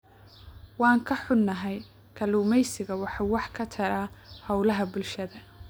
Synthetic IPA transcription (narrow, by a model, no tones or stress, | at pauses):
wɑːŋkʰɐħʊːɐɦɛj | kʰɐluːmɛjsɪɣɐwɑħɑwɑħkʰɐt̪ʰɐɾaːhɔwlɐɦɐbʊlʃɐðɐ